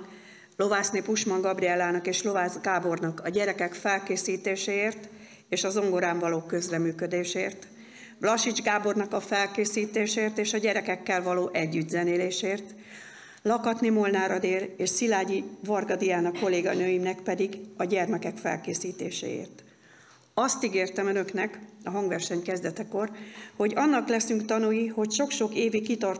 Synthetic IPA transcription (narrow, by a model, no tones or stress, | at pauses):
lo̞vaːsneːpuʃmɒŋɡɒbriɛlːaːnɒkeːʃlo̞vaːzɡaːbo̞rnɒkɒɟɛɾɛkɛkfɛlkeːsiːt̪eːʃeːeːrt̪ | eːʃɒzo̞ŋɡo̞ɾaːɱvɒloːkø̞zrɛmyːkø̞d̪eːʃeːrt̪ | vlɒʃid͡ʒɡaːbo̞rnɒkɒfɛlkeːsiːt̪eːʃeeːrt̪eːʃɒɟɛɾɛkɛkːɛlvɒloːʔɛɟːyd̪zɛneːleːʃeːrt̪ | lɒkɒt̪nimo̞lnaːɾɒd̪eːleːʃsilaːɟivɒrɡɒd̪ijaːnɒko̞leːɡɒnøːjimnɛkpɛd̪iɡɒɟɛrmɛkɛkfɛ̰lkeːsiːt̪ḛːʃɛ̰ːḛːrt̪ | ɒst̪iɡeːrt̪ɛmønø̞knɛkɒɦɒŋɡvɛrʃɛɲkɛzd̪ɛt̪ɛko̞rho̞ɟɒnːɒklɛsyŋkt̪ɒnujiho̞cʃo̞kʃo̞keːvikkːit̪ɒr